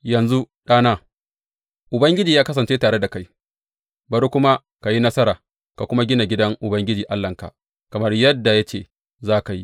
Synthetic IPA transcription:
jɐ˨nzu˦ | ɗaː˦naː˦ | ʔʊ˨bɐ˦ŋɡʲɪ˦d͡ʒiː˨jaː˦kɐ˦s̬ɐ˨nt͡ʃeː˦taː˨ɽe˦da˨ka˦j | bɐ˨ɾu˦kʷʊ˦ma˦ | ka˨ji˦nɐ˦sɐ˦ɾaː˨ | ka˨kʷʊ˦ma˦ɡʲɪ˦na˨ɡʲɪ˦dɐ˦ŋʔʊ˨bɐ˦ŋɡʲɪ˦d͡ʒiː˨ʔa˦lːɐ˨ŋka̰˨ | kɐ˨mɐ˦rjɐ˦dːa˨ja˦t͡ʃḛː˨ | zaː˦ka˨jḭ˦

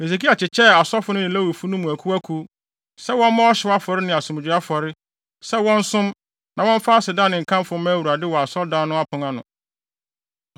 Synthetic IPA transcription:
e˨s̬e˨k̬i˦a˨t͡ɕʰɪ˨t͡ɕʰɛ˦˨a˨sɔ˦fʊ˦nʊ̃˦nɪ̃˨læ˦wu˨fu˦nʊ̃˦mʊ̃˨æ˨kʰu˦æ˦kʰu˦ | sɛ˦wɔ̃˦n˦mã˦ɔ˦ɕɪ˨˦a˦fɔ˨ɾɪ˦nɪ̃˨a˨sʊ̃˨m˨d͡ʑᶣʊ˨a˦fɔ˨ɾɪ˦ | sɛ˦wɔ̃˦n˦sʊ̃˦m | nã˨wɔ̃˦ɱ˦fa˦a˦sɪ˨dã˦nɪ̃˨ŋ̩˨kʰã˦m˦fʊ˨˦mã˦wu˨ɾa˨dɪ˦wɔ˨a˨sɔ˦ldã˦nːʊ̃˦a˦pʰʊ̃˨ŋã˦nʊ̃˨

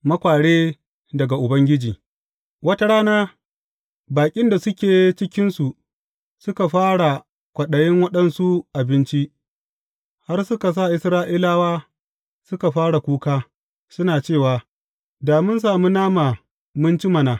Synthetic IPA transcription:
mɐ˦kʷaː˨ɽeː˦ | dɐ˨ɡa˨ʔʊ˨bɐ˦ŋɡʲɪ˦d͡ʒiː˨ | wɐ˦ta˦ɽaː˦naː˦ | baː˨kʲʼɪ˦nda˨sʊ˦kʲeː˨˦t͡ʃɪ˦kʲɪ˦nsu˨ʔ | sʊ˦ka˨ɸaː˦ɽa˨ | kʷɐ˨ɗɐ˨jɪ˦ŋwɐ˦ɗɐ˦nsu˦ʔa˨bɪ˦nt͡ʃi˦ʔ | ha˦rsʊ˦ka˨s̬a˦˨ʔɪ˦sɾaː˦ʔi˦laː˦waː˦ | sʊ˦ka˨ɸaː˦ɽa˨kʷuː˦kaː˦ | sʊ˦naː˨t͡ʃeː˦˨waː˨ | daː˨mʊ˦ns̬aː˨mu˦naː˦maː˨ | mʊ˦nt͡ʃi˦mɐ˨naː˨

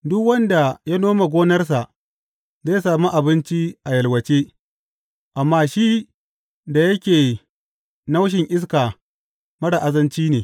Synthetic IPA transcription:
dʊ˦kwɐ˦nda˨ja˦noː˦ma˨ɡʷoː˦nɐ˦rs̬a˨ʔ | zaː˦jsaː˨mu˦ʔa˨bɪ˦nt͡ʃi˦ʔa˨jɐ˨lwɐ˨t͡ʃeː˦ | ʔa˨mːaː˦ʃi˦ | da˨jɐ˦kʲeː˨ | na˦wʃ̬ɪ˨ŋʔɪ˦s̬kaː˨ | mɐ˦ɽa˨ʔa˨zɐ˦nt͡ʃiː˦neː˨

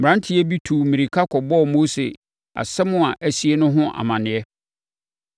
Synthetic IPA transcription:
m̩˨ɾã˦n˦tʰɪ˦ɛ˦bi˦tʰu˨mĩ˨ɾi˨kʰa˦kʰɔ˨bɔ˦˨moː˦sḛ˨ | a̰˨sɛ˦mʊ̃˦a˨ʔæ˨si˦e˦nʊ̃˦ɦʊ̃˦ʔa̰˨mã˨nɪ̃˨ɛ˦

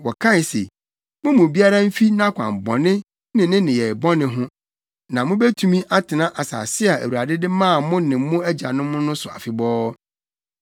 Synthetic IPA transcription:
wɔ˨kʰã˦n˨se˨ | mʊ̃˦mʊ̃˨bi˦a˦ɾa˦m̩˦fi˦nã˦kʷʰã̰˨m˨bɔ̃˨nɪ̃˦ | nɪ̃˨nɪ̃˦nɪ̃˨jɛ˨bɔ˦nɪ̃˦ɦʊ̃˦ | nã˨mʊ̃˦bæ˦tʰu˨mĩ˦ʔa˦tʰɪ˨nã˦ʔa˨sa̰˨sɪ˦a˨æ̰˨wu˨ɾa˨dɪ˦dɪ˦mãː˦˨mʊ̃˦nɪ̃˨m˦mʊ̃˦æ˦d͡ʑa̰˨nʊ̃˦mʊ̃˦nʊ̃˦sʊ˨a̰˨fɪ˨bɔː˦

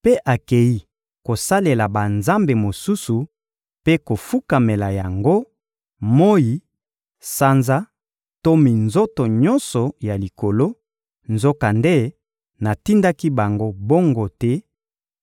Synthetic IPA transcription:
pe˦ʔa˨ke˨ji˦ | ko˨sa˦le˨la˨ba˨nza˦mbe˨mo˨su˦su˨ | pe˦ko˨fu˦ka˨me˨la˨ja˨ŋɡo˦ | mo˦ji˨ | sa˦nza˦ | to˦mi˨nzo˦to˨ɲɔ̃˦nsɔ˨ja˨li˨ko˨lo˦ | nzo˦ka˨nde˦ | na˨ti˦nda˦ki˦ba˨ŋɡo˦bo˦ŋɡo˦tɛ˦

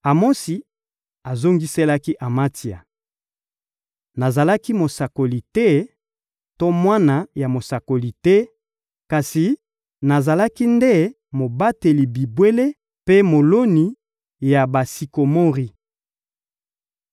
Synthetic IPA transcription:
a˨mo˦si˨ | a˨zo˦ŋɡi˦se˦la˦ki˦ʔa˨ma˦ti˨a̰˨ | na˨za˨la˦ki˦mo˨sa˨ko˨li˨tɛ˦ | to˦mwa˦na˨ja˨mo˨sa˨ko˨li˨tɛ˦ | ka˨si˨ | na˨za˨la˦ki˦nde˦ | mo˨ba˦te˨li˨bi˨bwe˦le˦ | pe˦mo˨lo˦ni˨ | ja˨ba˨si˨ko˨mo˦ʁi˨

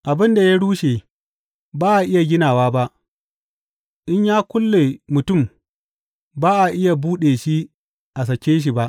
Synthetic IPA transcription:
ʔa˨bɪ˦nda˨ja˦ɽuː˦ʃeː˨ | baː˦ʔa˨ʔɪ˦ja˨ɡʲɪ˦naː˨waː˦ba˦ʔ | ʔɪ˦ɲjaː˦kʷʊ˦lːeː˨mʊ˨tʊ˦˨m | baː˦ʔa˨ʔɪ˦ja˨buː˦ɗeː˨ʃi˦ | ʔa˨s̬ɐ˨kʲeː˦ʃ̬i˨ba˦ʔ

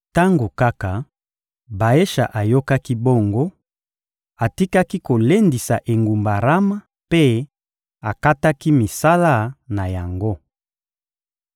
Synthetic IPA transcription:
ta˦ŋɡo˨ka˦ka˨ | ba˨e˦ʃa̰˨ʔa˨jo˦ka˦ki˦bo˦ŋɡo˦ | a˨ti˦ka˦ki˦ko˨le˦ndi˨sa˨ʔe˨ŋɡu˨mba˨ʁa˦ma˦ | pe˦ | a˨ka˦ta˦ki˦mi˨sa˦la˦na˨ja˨ŋɡo˦

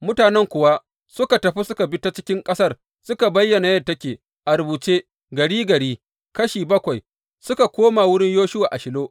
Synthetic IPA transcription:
mʊ˦taː˨nɛ˦ŋkʷʊ˨wa˦ | sʊ˦ka˨tɐ˨ɸi˦sʊ˦ka˨bɪ˦ta˦t͡ʃɪ̥˦kʲɪ˦ŋkʼɐ˦sɐ˦r | sʊ˦ka˨bɐ˦jːɐ˨na˨jɐ˦tːɐ˦kʲeː˨ | ʔa˨ɾʊ˨buː˨t͡ʃeː˦ | ɡɐ˨ɽiː˦ɡɐ˨ɽiː˦ | kɐ˦ʃiː˨bɐ˦kʷa˨j | sʊ˦ka˨kʷoː˦ma˨wʊ˦ɽɪ˦ɲjoː˦ʃʊ˦waː˨ʔa˨ʃɪ˨loː˦

